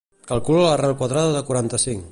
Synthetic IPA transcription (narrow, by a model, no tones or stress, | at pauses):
kəlˠkulələrɛlˠkwaðɾaðəðəkuaɾant̪əsiŋ